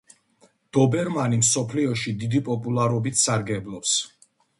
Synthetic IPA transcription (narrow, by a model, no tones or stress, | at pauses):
d̪̥ɔbɛɾmanimsɔpʰliɔʃid̪id̪ipʼɔpʼulˠaɾɔbit̪ʰsaɾɡɛblˠɔps